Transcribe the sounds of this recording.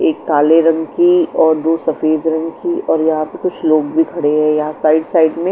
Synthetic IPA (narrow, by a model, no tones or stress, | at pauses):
eːkːaːleɾɐ̃ŋɡkiɔːɾd̪oːsɐfeːd̪ɾɐ̃ŋɡkiɔːɾjɐɦãpekʊt͡ʃʰloːɡbʱikʰɐɽeɦɛ̃jɐɦãsaːɪɖsaːɪɖmẽ